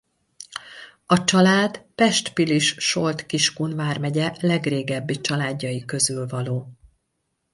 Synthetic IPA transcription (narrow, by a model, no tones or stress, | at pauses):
ɒt͡ʃɒlaːd̪pɛʃt̪piliʃʃo̞lt̪kiʃkunvaːrmɛɟɛlɛɡreːɡɛbːit͡ʃɒlaːdːɒjikøzylvɒloː